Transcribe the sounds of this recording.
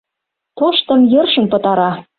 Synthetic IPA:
t̪oʃt̪ɤ̆mjɤrʃə̆mpɤ̆t̪ɑɾɑ

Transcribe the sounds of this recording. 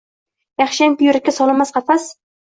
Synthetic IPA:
jɑχʃaŋpʊjʊɾɪkʲːasɒlˠɪmasqʰɑfas

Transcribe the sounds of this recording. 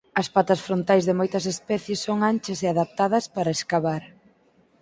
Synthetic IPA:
ɐspat̪ɐsfɾont̪ajzðɪmojt̪ɐsespɛθjesːoŋant͡ʃɐseaðap̚t̪aðɐspaɾɐeskaβaɾ

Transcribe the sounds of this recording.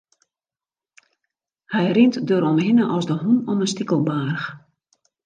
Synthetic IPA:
hɛjrɪntdøɾɔmɦɪnəʔɔsdəɦunɔmənstikəlˠbaːrx

